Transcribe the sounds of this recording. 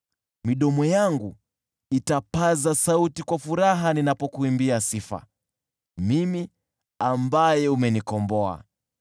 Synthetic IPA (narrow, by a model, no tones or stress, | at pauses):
miɗɔmɔjaŋɡu | itapazasautikwafuɾaɦaninapɔkuimbiasifa̰ | mimi | ambajɛumɛnikɔmbɔa̰